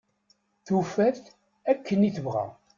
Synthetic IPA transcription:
θufæθ | ækʰːəniθəvʁæ̰

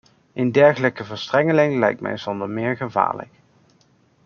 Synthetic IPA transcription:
ʔɪndɛɹχələkəvəɹstrɛŋəlɪŋlɛ̰jk̚tmɛ̰jz̥ɔndəɹmɪːɹχəva̰ːɹlə̰k

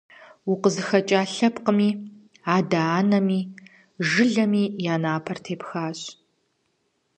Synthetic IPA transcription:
wuqəzɨxɐt͡ʃʼaːɬɐpqəmiː | aːdaaːnɐmiː | ʒɨɮɐmiːjaːnaːpʰɐrtʰeːpxaːɕʼ

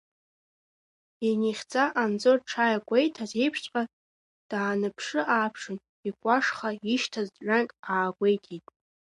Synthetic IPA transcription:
iniχʲt͡sʼaʔand͡zorʈ͡ʂʰajakʷʼejtʰaze̞jpʰʂt͡ɕʷʼqʼa | d̥aːnɨpʰʂɨʔaːpʰʂɨn | ikʷʼaʂχaiʃtʰazɥᶣankʼaːɡʷejtʰʼijtʼ

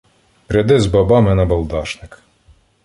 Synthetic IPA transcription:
pɾʲɛd̪ɪzbɐbɑmɪnɐbɐlˠd̪ɑʃnɪk

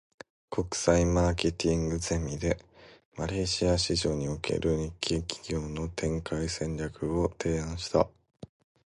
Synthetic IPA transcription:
kʰo̞kɯ̟̥saimaːke̞t̪ʲĩŋɡɯ̟ze̞mʲid̪e̞ | maɾe̞ːɕiaɕiʑo̞ːɲ̟ioke̞̰ɾʔɯ̟ɲ̟ikʲʰːikʲi̥ɡʲo̞ːno̞t̪ʰẽ̞ŋkaisẽ̞ɲɾʲakɯ̟o̞t̪ʰe̞ːãɰ̃ɕi̥t̪a̰

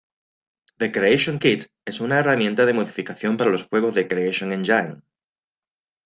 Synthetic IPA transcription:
ðekɾeeʃjo̞ŋkit̪ | e̞sunaeramjẽ̞nt̪aðe̞mo̞ðifikaθjo̞mpaɾalo̞sxwe̞ɣ̞o̞zðe̞kɾeeʃjo̞ŋẽ̞nd͡ʒajŋ

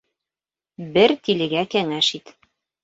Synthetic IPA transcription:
bɘɾt̪ilɘ̆ɡækæŋæʃit̪

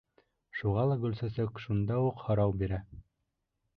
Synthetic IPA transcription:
ʃuʁɑlˠɑɡɵ̆lsɘ̆sɘkʃund̪ɑuqhɤ̆ɾɑwbiɾæ

